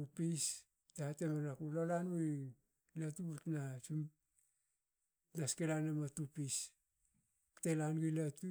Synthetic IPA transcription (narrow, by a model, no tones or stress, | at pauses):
upis | tatemanakulolanɡui | latutnasum | naskelanamatupis | telanɡulatu